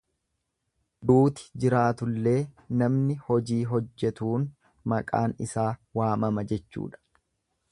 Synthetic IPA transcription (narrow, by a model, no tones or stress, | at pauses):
d̪uːt̪ɪ̥d͡ʒɪɾaːt̪ʊlːe̞ː | nɐmnɪhɔd͡ʒiːɦɔd͡ʒːɛt̪uːn | mɐkʼa̰ːnɪsaːwaːmɐmɐd͡ʒɛt͡ʃːṵːᶑɐ̥